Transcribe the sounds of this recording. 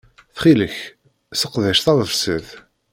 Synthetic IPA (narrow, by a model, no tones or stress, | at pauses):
θχiləç | səqðæʃθæðˤəfsəð